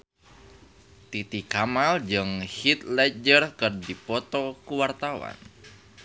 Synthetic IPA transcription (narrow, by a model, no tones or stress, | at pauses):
t̪it̪ikamald͡ʒəŋhit̪lɛd͡ʒərkərdipɔt̪ɔkuwart̪awa̰n